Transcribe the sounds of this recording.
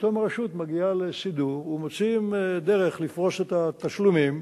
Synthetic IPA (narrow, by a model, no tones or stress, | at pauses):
t̪omʁeʃut̪maɡialesid̪uʁumot͡simed̪e̞ʁeχlifʁo̞ʃet̪at̪aʃlumim